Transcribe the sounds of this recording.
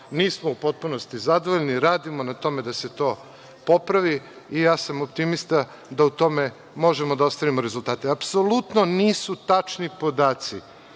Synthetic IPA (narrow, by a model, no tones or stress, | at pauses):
niːsmoupo̞t̪̚puno̞st̪izad̪oʋoʎniɾaːd̪imonat̪o̞me̞d̪ase̞t̪o̞ː | po̞pɾaʋiː | jaːsamopt̪imist̪a | d̪aut̪o̞me | mo̞ʒemo̞d̪aost̪aʋimoɾezulˠt̪aːt̪e̞apso̞lut̪no̞niːsut̪at͡ʃnipo̞d̪aːt̪si